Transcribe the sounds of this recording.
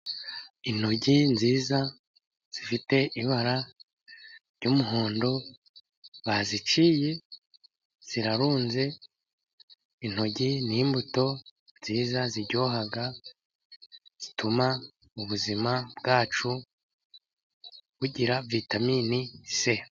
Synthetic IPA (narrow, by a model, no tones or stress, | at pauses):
in̥ho̞ɟinziːza | z̥ifite̞ʔiβaɾa | ɾɟumuɦoːndo̞ | βazit͡ʃije̞ | z̥iɾaɾuːnze̞ | in̥ho̞ɟinimbuto̞nz̥iːzaziɾɟoɦaɡa | z̥itʰuma | uβuzimabɡaːt͡ʃu | βuɟiɾavitaminise̞